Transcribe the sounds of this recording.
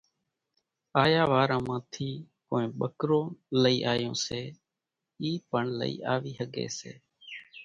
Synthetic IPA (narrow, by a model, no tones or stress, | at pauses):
aːjaːʋaːɾãːmãːt̪ʰiːkoːẽːɓəkɾõːləiːʔaːjõːseː | iːpəɳlə̰ḭːʔaːʋiːɦəɠḛːsḛː